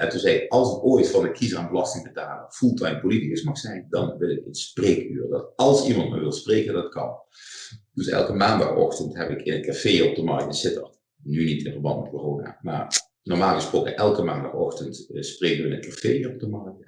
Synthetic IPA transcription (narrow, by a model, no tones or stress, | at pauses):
ʔɛntunzɛjkɑlˠsəkoːjtfɑndəkʰizəraːnbəlɑstɪŋbətaːlˠəv̥ulˠtaənpolitikəsmɑxsɛjndɑ̰nʋɪlˠɪkənspreːky̰ːrdɑtɑlˠsimɑntma̰ːɹʋɪlˠspreːkəndɑtkɑn | d̥øsɛ̰lˠkəmaːndɑ̰ɔ̰xtəntɦɛpɪkɪnət̚kafeːɔb̚dəmɑrk̚tɪnsɪtərt | nynitɪnvəɹbɑntmɛtkoroːna̰ːma̰ːr | nɔɹmaːlˠɣəsproːkənʔɛlˠkəmaːnda̰xɔxtəntspreːkəʋəɪnətkafejɔb̚dəmɑrk̚t